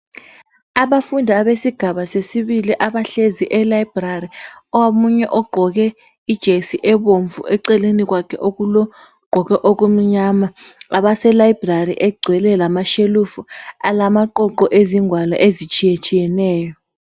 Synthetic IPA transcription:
aɓafundʱaːɓesiɡ̥ʱaɓasesiɓiliʔaɓaɬeziʔɛlajb̥rariɔwamuɲɛʔɔɡ͡ǃʱɔk̬ɛ | id̥ʒ̥ʱesiʔɛɓoɱvṵʔɛǀɛlenik̬wakʰɛʔok̬ulɔ | ɡ͡ǃ̥ʱɔk̬ɛʔok̬um̩ɲamaaɓasɛlajibrariʔɛɡ͡ǀʱwɛlɛlamaʃelufualamaǃɔǃɔʔeziŋʱwala̰ʔezit͡ʃʰʼijet͡ʃʰʼijɛnɛːjɔ

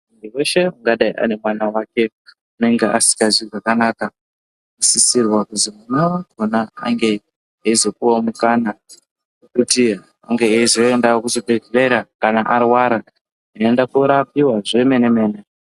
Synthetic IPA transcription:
ndiwe̞ʃe̞uŋɡaɗaiʔa̰ne̞mwanawake̞ | une̞ŋɡeʔasi̥kaziʐakanaːka | asisirwakuzimunawaɡʱonaa̰ŋɡe̞ | ɦeizo̞kuwamukana | kuti | a̰ŋɡeɦezoendakuzobʱeɡere̞ɾakanaʔarwaɾa | eendakuɾapiwaʐeme̞neme̞ːne

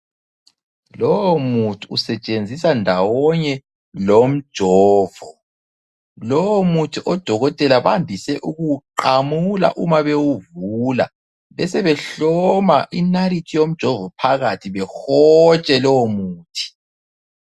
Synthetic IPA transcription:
lɔwomutʰuːsɛt͡ʃʼend͡zʱisandʱawɔɲɛ | lom̩d̥ʒ̥ʱɔːv̥ɔ | lɔwomutʰiʔɔd̥ʱɔɣɔtʼɛlaβandʱisɛʔuɣuǃamula̰ʔumaβewuvula̰ | βɛsɛβɛɬɔmaʔinaɾitʰijom̩d̥ʒ̥ʱɔvɔpʰaɣatʰiβɛxɔt͡ʃʼɛlɔwomuːtʰi̥

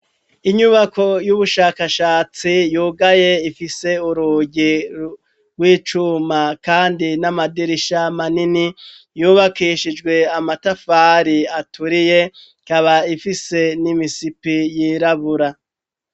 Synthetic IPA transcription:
iɲuβakʰo̞juβuʃaːkaʃaːt͡sijuːɡaje̞ifise̞uɾuɟi | ɡwiːt͡ʃumakaːndinamadiɾiʃamanini | juːβakiːʃid͡ʒɡwe̞amatafaːɾiatuɾije̞ | kaβaifise̞nimisipijiːɾaβuɾa

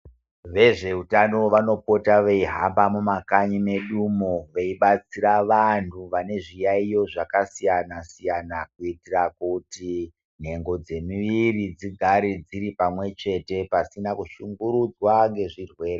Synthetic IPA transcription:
ʋe̞ʐe̞utano̞ʋano̞po̞taʋeiɦambamumakaɲime̞ɗumoʋeiɓat͡siɾaʋantʰuʋane̞ʐijaijo̞ʐakasijanasijanakuitirakuti | n̤e̞ŋɡo̞d͡ze̞miʋirid͡ziɡʱaɾid͡ziɾipamwe̞t͡ʃe̞te̞pasinakuʃuŋɡuɾud͡zwaŋɡe̞ʐirwe̞ːre

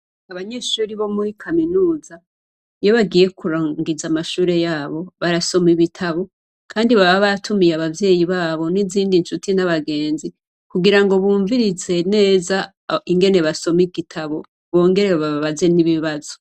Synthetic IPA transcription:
aβaɲe̞ːʃuːɾiβo̞muɾikʰaminuːza | jo̞βaɡije̞kuɾaːŋɡizamaʃuːɾe̞jaːβo̞βaɾaso̞miβitʰaβo̞ | kʰaːndiβaβaβatʰumijaβavje̞ːjiβaːβo̞niziːndinʃutinaβaɡe̞ːnzi | kuɡiɾaŋɡo̞βuːɱviɾize̞ne̞ːza | iŋɡe̞ne̞βaso̞miɡitʰaβo̞ | βo̞ːŋɡe̞ɾeoβaβaβaze̞niβiβazo̥

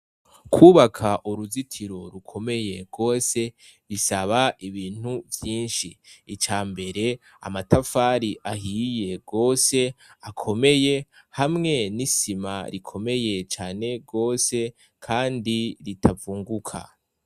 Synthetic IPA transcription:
kʰuːβakʰaʔuɾuzitʰiɾo̞ɾukʰo̞me̞je̞ɡo̞ːse̞ | ɾisaβaʔiβiːn̥huvjiːnʃiːt͡ʃaːmbe̞ɾe̞ | a̰matafaːɾiʔaɦiːje̞ɡo̞ːse̞akʰo̞me̞je | hamŋe̞nisima̰ɾikʰo̞me̞je̞t͡ʃaːne̞ɡo̞ːse̞ | kʰaːndiɾitʰavuːŋɡukʰa̰

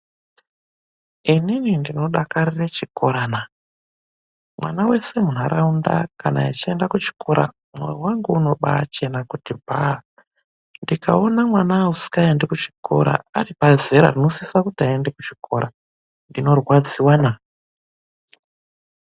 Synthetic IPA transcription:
ininindino̞ɗakaɾiret͡ʃiko̞ɾaːna | mwa̰nawe̞se̞mun̤aɾʔaundakana̰it͡ʃiendakut͡ʃi̥kʰoɾa̰ | mwḛiwaŋɡuuno̞ɓa̰ːt͡ʃe̞nakutibʱa | ndikaonamwanausi̥kaendekut͡ʃi̥ko̞̰ɾa̰ːripazeɾa̰rinosisakutiaendekut͡ʃi̥kʰo̞ɾa | ndino̞rwad͡ziwana

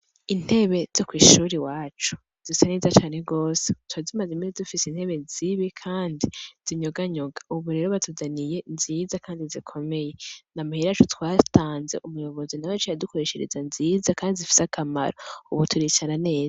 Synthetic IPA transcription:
in̥he̞βe̞z̥okwiːʃuːɾiwaːt͡ʃu̥ | z̥isaneːzat͡ʃaːne̞ɡo̞ːsetwazimazemizedufisein̥he̞βe̞ziβikʰaːndiz̥iɲo̞ɡaɲo̞ɡḁuβuɾeɾoβatʰuzanije̞nziːzakaːndizikʰo̞me̞je̞namuhiɾat͡ʃutwaːtaːnze̞̰ʔumujo̞βo̞zinawat͡ʃajadukoɾe̞ʃeɾḛzanziːzakaːndizifi̥sakʰama̰ɾouβutʰuɾicanane̞ːza

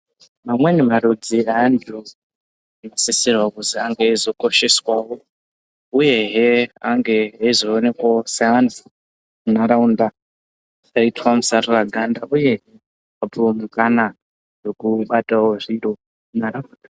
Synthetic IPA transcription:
mamwenimaɾud͡ziandu | anasisirwakuziaŋɡeizo̞ko̞ʃe̞swawo̞ | uje̞ɦeaŋɡe̞aizoːne̞kwaoseandu | munaɾaunda | aitwamusaroraɡʱandaʔuje̞ɦe | auomukana | jokuɓatawoʐiro | munaɾaunda

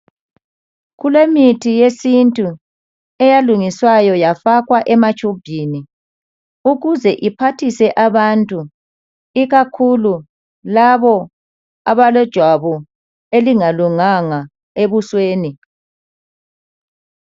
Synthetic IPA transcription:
ɣulemitʰijesintʼu | ɛjaluŋiswajɔjafaɣwaʔɛmat͡ʃʼub̥ʱini | uɣuzɛʔipʰatʰisɛʔaβantʼu | iɣakʰulu | laβɔ | aβalɔd̥ʒ̥ʱwaβɔ | eliŋaluŋaŋa | eβusweːni

